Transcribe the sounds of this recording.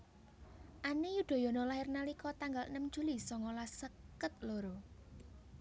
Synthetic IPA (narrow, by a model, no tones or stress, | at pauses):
ʔanejud̪̥o̤jɔ̤nɔlaɦɪrnalikɔt̪aŋɡalnəmd̥ʒ̥ṳlisɔŋolasəkət̪̚loɾo